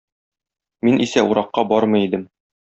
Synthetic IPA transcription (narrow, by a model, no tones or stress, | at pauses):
minʔisæuɾɑqːɑbɒɾmɤ̆id̪ɘm